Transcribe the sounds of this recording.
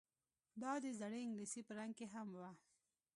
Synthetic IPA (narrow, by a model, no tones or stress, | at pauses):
b̪ɑd̪ezaɽeɪŋɡlisipəɾaŋɡkeɦamwa